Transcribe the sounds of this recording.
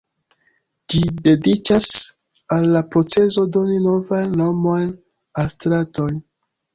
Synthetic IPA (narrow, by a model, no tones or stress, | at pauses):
d͡ʒide̞dit͡ʃas | alːapɾo̞t͡se̞zo̞do̞nino̞vanːo̞man | alstɾato̞n